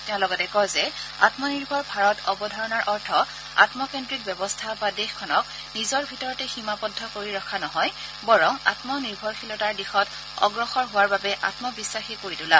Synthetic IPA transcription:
tɛʊ̃lɔɡɔtɛkɔzɛa̰tmɔniɹbʱɔɹbʱaɹɔtɔbɔdʱɔɹɔnaɹʔɔɹtʰɔ | a̰tmɔkɛndɹit̚bjɛbɔstʰabadexkʰːɔnɔk̚ | nizɔɹbʱitɔɹɔtɛximapɔdʱːɔkoɹiɹɔkʰanɔɦɔj | bɔɹɔŋa̰tmɔniɹbʱɔɹxʰilɔtaɹdixɔt | ɔ̰ɡɹɔxɔɹɦʊwaɹbabɛʔa̰tmɔbisːaxikoɹidula

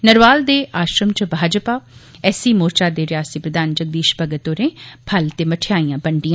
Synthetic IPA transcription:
nəɾʋaːld̪eːʔaːʃɾəmt͡ʃəbʱaːd͡ʒpaː | ɛːsiːmoːɾt͡ʃaːd̪eːɾɪjaːsiːpɾəd̪ʱaːnd͡ʒəɡ̚d̪iːʃpəɡət̪oːɾẽːpʰəlt̪eːməʈʰɪjaːiːãːbəɳɖijã

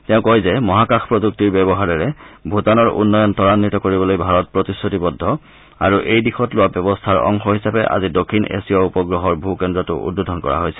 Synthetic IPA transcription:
tɛʊ̃kɔjzɛmɔɦakaxpɹɔzuk̚tiɹbɛbɔɦaɹɛɹɛbʱutanɔɹʔṵnːɔjɔntɔɹanːitɔkoɹibɔlojbʱaɹɔt̚pɹɔtisːotibɔdʱːɔ | a̰ɹuʔejdixʰɔtlʊwabɔbɔstʰaɹɔ̰ŋxɔɦisapɛʔa̰zidokʰːinḛsiɔupɔɡɹɔɦɔɹbʱukɛndɹɔtʊ̰ʔṵd̚bodʱɔnkɔ̰ɹa̰ɦojsɛ̥

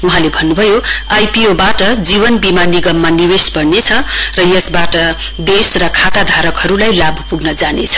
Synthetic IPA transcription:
uɦãlebʱʌnːubʱʌjoajpiobaʈʌd͡ziβʌnbimaniɡʌmːaniwesbʌɽnet͡sʰʌrʌjʌsbaʈʌ | d̪esrʌkʰat̪ad̪ʱaɾʌkhʌɾulajlabʱʌpuɡnʌd͡zanet͡sʰʌ̥

